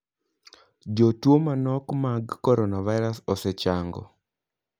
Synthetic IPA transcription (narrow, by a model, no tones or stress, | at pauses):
d͡ʒotwomanɔkmaɡːɔɾɔnavaɪɾasɔsɛt͡ʃaŋɡɔ̰